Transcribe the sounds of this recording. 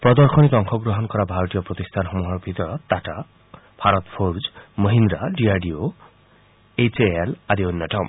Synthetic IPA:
pɾɔd̪ɔɾxɔnit̪ɔŋkʰɔɡɾɔɦɔnkɔɾabʱaɾɔt̪ijɔpɾɔt̪ist̪ʰanxɔmuɦɔɾbʱit̪ɔɾɔt̪aʈa | bʱaɾɔt̪pʰoɾd͡ʒməɦind̪ɾaɖiaɖio | et͡ʃeelaɾionːɔʈɔm

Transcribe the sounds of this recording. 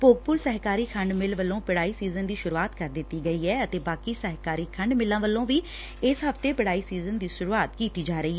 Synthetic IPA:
poːɡ̚pʊɾsəɦkaːɾiːkʰəɳɖmɪlʋəlːõːpɪɽaːiːsiːzənd̪iːʃʊɾuːaːt̪kəɾd̪ɪt̪ːiːɡəiːɦɛːət̪eːbaːkiːsəɦkaːɾiːkʰəɳɖmɪlːãːʋəlːõːʋiː | ɪsɦəft̪eːpɪɽaːiːsiːzənd̪iːʃʊɾuːaːt̪kiːt̪iːd͡ʒaːɾəiːɛ

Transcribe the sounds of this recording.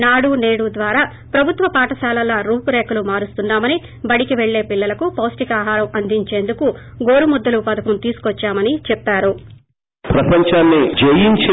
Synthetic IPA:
naːɽuneːɽud̪ʋaːɾaː | pɾɐbʱut̪ʋɐpaːʈɐsaːlɐlːɐɾuːpuɾeːkɐlumaːɾust̪unːaːmɐni | bɐɽikiʋeɭːe̞ːpiɭːɐlɐkupoːsʈikaːɦaːɾɐmɐnd̪ʱiɲt͡ʃe̞ːnd̪ukuɡo̞ːɾumɔd̪ːɐlupɐd̪ɐkɐmt̪iːsu̥kɔt͡ʃːaːmɐnit͡ʃɛpːaːɾu | pɾɐpɐɲt͡ʃaːnːid͡ʒejiɲt͡ʃː

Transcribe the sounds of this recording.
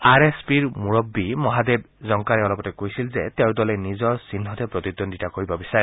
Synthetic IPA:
aɾespiɾmuɹɔbːimɔɦad̪eb | zɔŋkaɾeɔlɔpɔtekojsilzet̪ewd̪ɔlenizɔsinɦɔt̪epɾɔt̪id̪ɔnd̪itakoɾibɔbisaɾe

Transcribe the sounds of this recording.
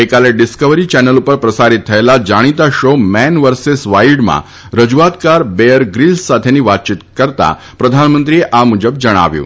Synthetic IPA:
ekaleɖiskəʋɾit͡ʃɛnəlupəɾpɾəsaɾit̪ʰːəelad͡ʒaɽ̃it̪aʃomɛnʋəɾsesʋaiɖmã̰ | ɾəd͡ʒuʋat̪kaɾbeəɾɡɾilssat̪ʰeniʋat̪̚t͡ʃit̪kəɾt̪a̰ | pɾəd̪ʱanmənt̪ɾieʔamud͡ʒəb̚d͡ʒəɽ̃a̰ʋjṵ̃ː

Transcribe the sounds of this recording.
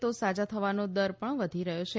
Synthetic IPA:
t̪osad͡ʒat̪ʰəʋanod̪əɾpəɳʋəd̪ʱiɾəɦot͡ʃʰe

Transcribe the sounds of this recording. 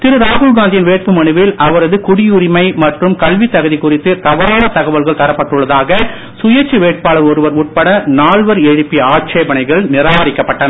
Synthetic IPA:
t̪ɪɾɯɾaːɣʊlɡaːnd̪ɪjɪnʋeːʈ̚pɯmɐɳɯʋɪlʔɐʋɐɾɐðɯkʊɽɪjʊrɪmɐɪmɐʈrɯmkɐɭʋit̪ːɐɣɐðikʊrɪt̪ːɯt̪ɐʋɐɾaːɭɐt̪ːɐɣɐʋɐlɣɐɭt̪ɐɾɐpːɐʈːɯɭːɐðaːɣɐ | sʊjɐɾt͡ʃːɯʋeːʈ̚paːɭɐɾɔɾɯʋɐɾʊʈ̚pɐɽɐnaːɭʋɐɾɛɻɯpːiaːʈ̚t͡ʃeːbɐnɐɪɣɐɭnɪɾaːʋɐɾɪkːɐpːɐʈːɐnɐ

